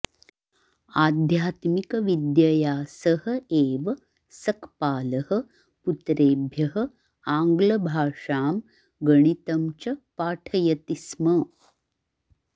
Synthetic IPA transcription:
aːd̪ʱjaːt̪mikɐʋid̪jɐjaːsəhəeːʋɐ | sɐkpaːlɐhə̆ | put̪ɾeːbʱjɐɦə̆ | aːŋɡlɐbʱaːʂaːm | ɡəɳ̃it̪ɐmt͡ɕɐpaːʈʰɐjɐt̪ismɐ

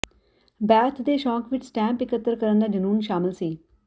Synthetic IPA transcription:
bɛːt̪ʰd̪eːʃɔːkʋɪt͡ʃsʈɛ̃ːmpɪkət̪ːəɾkəɾənd̪aːd͡ʒənuːnʃaːmɪlsiː

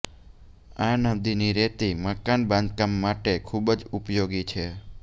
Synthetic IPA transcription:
ãnəd̪iniɾet̪iməkanbãnd̪̚kamːaʈekʰubd͡ʒupjoɡit͡ʃʰe

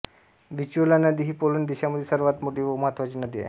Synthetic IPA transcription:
ʋit͡ɕulanəd̪iːɦiːpolond̪iɕaməd̪ʱːjesəɾʋat̪moʈiːʋoməɦat̪ʋat͡ɕiːnəd̪iːa̰j

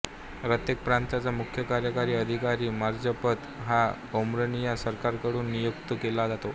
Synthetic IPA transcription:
pɾət̪jek̚pɾãnt̪at͡samukʰjəkaɾjəkaɾiːəd̪ʱikaɾiːmaɾd͡zəpət̪ɦa | omɾənijasəɾkaɾkəɽuːnːijuk̚t̪əkelad͡zat̪o

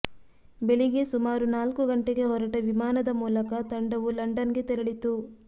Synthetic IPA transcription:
beɭiɡesumaːɾunaːlkuɡɐɳʈeɡe̞ɦɔɾɐʈɐʋimaːnɐd̪ɐmuːlɐkɐt̪ɐɳɖɐʋulɐɳɖɐnɡe̞t̪ɛɾɐɭit̪u

